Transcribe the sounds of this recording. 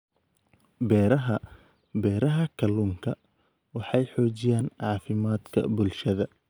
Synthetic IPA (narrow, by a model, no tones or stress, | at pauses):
bɛːɾɐɦɐ | bɛːɾɐɦɐkʰɐluːŋkʰɐ | wɑħɑjħɔːt͡ʃɪjaːnʕɑːfɪmaːd̪kʰɐ̰bʊlʃɐðɐ